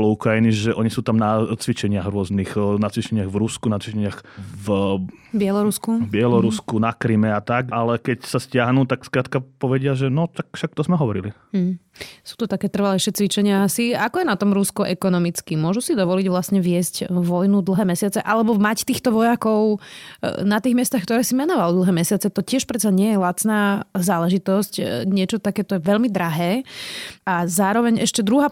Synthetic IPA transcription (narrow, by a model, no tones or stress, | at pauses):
lɔukɾajiniʒɛʔɔɲisuːt̪amnat͡sʋit͡ʃɛɲɪaɣɾʊɔzniɣnat͡sʋit͡ʃɛɲɪaɣvɾuskunat͡sʋit͡ʃɛɲɪaxvbɪɛlɔɾuskubɪɛlɔɾuskunakɾimɛat̪akalɛkɛcsascɪaɦnuːt̪akskɾaːt̪kapɔʋɛɟɪaʒɛnɔt̪akfʃak̚t̪ɔzmɛɦɔʋɔɾili | m̩ɦ̩su̥ːt̪ɔt̪akɛːt̪r̩ʋalɛʃɛːt͡sʋit͡ʃɛɲɪaasiakɔjɛnat̪ɔmɾuskɔʔɛkɔnɔmit͡skimʊɔʒusid̪ɔʋɔliɟʋlasɲɛʋɪɛscʋɔjnud̪l̩ˠɦɛːmɛsɪat͡sɛʔalɛbɔmact̪iːxt̪ɔʋɔjakɔʊ | nat̪iːɣmɪɛst̪axkt̪ɔɾɛːsimɛnɔʋald̪l̩ˠɦɛːmɛsɪat͡sɛt̪ɔcɪɛʃpɾɛt̪t͡saɲɪɛjɛlat͡snaːzaːlɛʒit̪ɔscɲɪɛt͡ʃɔt̪akɛːt̪ɔjɛʋɛʎmid̪ɾaɦɛː | azaːɾɔʋɛɲʔɛ̰ʃcɛd̪ɾuɦaː